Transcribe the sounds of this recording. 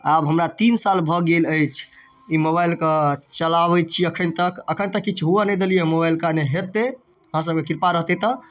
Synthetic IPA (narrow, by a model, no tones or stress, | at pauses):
abɦəmɾat̪insalbʱɔɡeləjt͡ʃʰ | imobajlkət͡ʃəlaβət͡ʃʰiəkʰənt̪əkəkʰənt̪əkːit͡ʃʰɦuanə̃d̪elijemobailkaneɦet̪ːe | əɦãs̬əb̚kekiɾpaɾəɦt̪et̪ə